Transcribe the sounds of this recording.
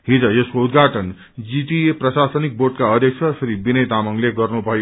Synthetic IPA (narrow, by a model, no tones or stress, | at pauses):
ɦid͡zʌjʌskoud̪ɡʱaʈʌn | d͡ziʈieprʌsasʌnik̚borʈkaʌd̪ʱjek̚sʰʌsʰɾibinʌjt̪amʌŋleɡʌrnubʱʌjo